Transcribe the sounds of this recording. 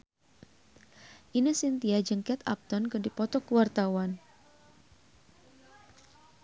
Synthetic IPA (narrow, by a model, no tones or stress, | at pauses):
ʔinəsint̪iad͡ʒɨŋkɛt̪a̰p̚t̪ɔnkɨrdipɔt̪ɔkuwart̪awan